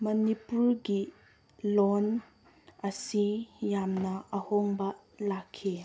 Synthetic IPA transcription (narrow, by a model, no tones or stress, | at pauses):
mɐnipuɾɡi | lon | ɐsijamnɐʔɐhoŋbɐ | lakʰːi